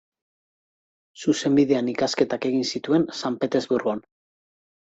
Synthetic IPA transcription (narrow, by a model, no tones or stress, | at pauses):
suse̞mbiðe̞anikaske̞t̪ake̞ɣinsit̪ue̞nsampe̞t̪e̞zβuɾɣuan